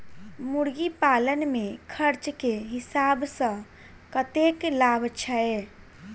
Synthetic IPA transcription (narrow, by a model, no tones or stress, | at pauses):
muɽɡipalənmẽkʰəɾt͡ʃkeɦɪsaːbsə̃ | kət̪eklabʱət͡ʃʰəe